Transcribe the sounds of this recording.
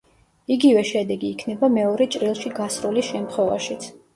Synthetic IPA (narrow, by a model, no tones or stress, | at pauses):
iɡivɛʃɛd̪ɛɡiːkʰnɛbamɛɔɾɛt͡ʃʼɾilˠʃiɡasɾulisʃɛmt̪ʰχwɛvaʃit̪sʰ